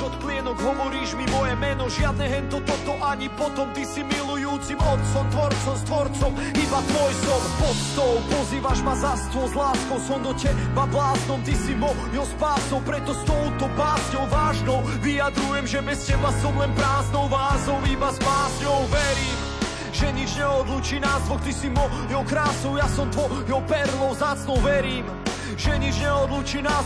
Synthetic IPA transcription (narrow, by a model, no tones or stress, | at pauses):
ɔt̪klɪɛnɔɡɦɔʋɔɾiːʒmimɔjɛmɛnɔʒɪad̪̚nɛɦɛnt̪ɔt̪ɔt̪ɔʔaɲipɔt̪ɔmt̪isimilujuːt͡simɔt̪t͡sɔmt̪ʋɔɾt͡sɔmst̪ʋɔɾt͡sɔm | ibat̪ʋɔjsɔmpɔt̪st̪ɔwpɔziːʋaʒmazast̪ɔwzlaːskɔwsɔmd̪ɔcɛbablaːznɔmt̪isimɔ | jɔspaːsɔwpɾɛt̪ɔst̪ɔʊt̪ɔpaːzɲɔwvaːʒnɔʊ | vijad̪ɾujɛmʒɛbɛscɛbasɔmlɛnpɾaːznɔʊvaːzɔwibaspaːsɲɔʊvɛɾiːm | ʒɛɲid͡ʒɲɛɔd̪lut͡ʃiːnaːst̪ʋɔkt̪isimɔ | jɔwkɾaːsɔwjasɔmt̪ʋɔjɔwpɛɾlɔwzat͡snɔwvɛɾiːm | ʒɛɲid͡ʒɲɛɔd̪lut͡ʃiːnaː